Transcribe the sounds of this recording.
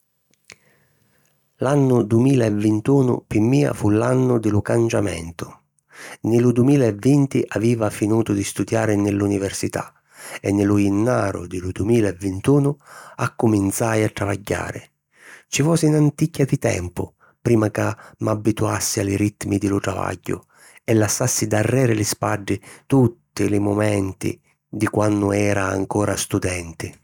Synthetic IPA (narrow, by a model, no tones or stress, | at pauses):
lanːʊd̪uɪmiːlaɛvːɪnt̪uːnʊ̰pimːiːa̰fulanːʊd̪ɪlʊkant͡ʃamɛ̰nt̪ʊ̥ | nɪlʊd̪uɪmiːlaɛvːint̪iʔaviːvafinuːt̪ʊd̪ist̪ud̪jaːɾɪnɪlːunivɛrsit̪a̰ | ɛnːɪlʊinːaːɾʊ̰d̪ɪlʊd̪uɪmiːlaɛvːɪnt̪uːnʊakːʊmint̪sajat̪ːɾavaɟːa̰ːɾɪ | t͡ʃifɔːsinant̪icːad̪it̪ɛ̰mpʊ̰ | pɾiːmakamabːit̪uasːialɪɾit̪ːmid̪ɪlʊt̪ɾava̰ɟːʊ̰ | ɛlːasːasːid̪arːɛːɾɪlɪspaɖːɪt̪ut̪ːɪlɪmʊmɛnt̪ḭ | d̪ikwanːʊɛːɾa̰ːŋkɔːɾʔast̪ud̪ɛnt̪ɪ